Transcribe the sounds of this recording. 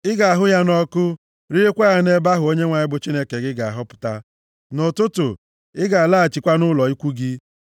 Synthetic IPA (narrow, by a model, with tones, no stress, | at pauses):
ɪ˦ɡa˨a˨ɦʊ˦ja˦nɔ˦kʊ˦ | ɾi˦e˦kʷa˦a˦ne˦ba˦ɦʊ˨o˦ɲe˦ŋʷa˨ɲɪ˦bʊ˨t͡ʃi˦ne˦ke˨ɡɪ˦ɡa˨a˨ɦɔ˦pʊ̥˨ta˦ | nʊ˨tʊ˦tʊ˨ | ɪ˦ɡa˨a˨la˦a˨t͡ʃi˨kʷa˦nʊ˦lɔ˨i˦kʷu˦ɡɪ˦